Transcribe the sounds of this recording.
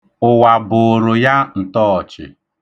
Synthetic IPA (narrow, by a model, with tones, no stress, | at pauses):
ʊ˨wa˨bʊ˨ɾʊ˨ja˦n̩˨tɔ˦ɔ˨t͡ʃɪ̰˨